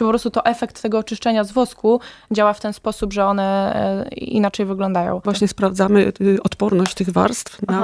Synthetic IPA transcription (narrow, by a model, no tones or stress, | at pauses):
t͡ʂɨpɔpɾɔst̪ut̪ɔʔɛfɛkt̪ːɛɡɔːt͡ʂɘʂt͡ʂɛɲazvwɔskud͡ʑawaft̪ɛnspɔsubʐɛɔnɛ | ḭnat͡ʂɛjvɘɡlɔnd̪ajɔ̰̃w̃vwaɕɲɛspɾavd̪amɘɔt̪pɔɾnɔɕt͡ɕt̪ɘɣva̰ɾst̪fna